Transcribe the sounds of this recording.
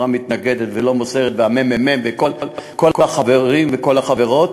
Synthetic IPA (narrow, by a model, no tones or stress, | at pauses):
amit̪naɡed̪et̪velo̞moseʁet̪veamemememveko̞llkolkoaχaveʁimveko̞laχaveʁo̞t